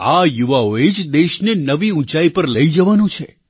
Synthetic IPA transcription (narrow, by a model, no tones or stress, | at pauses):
ajuʋaoed͡ʒd̪eʃnenəʋiũt͡ʃaipəɾləid͡ʒəʋanũt͡ʃʰe